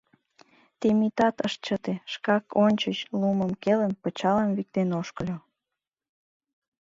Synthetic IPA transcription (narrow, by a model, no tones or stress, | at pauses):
t̪emit̪ɑt̪əʃt͡ɕət̪eʃkɑkonʲt͡ɕət͡ɕluməmkeləmpət͡ɕɑləmβik̚t̪enoʃkəlʲo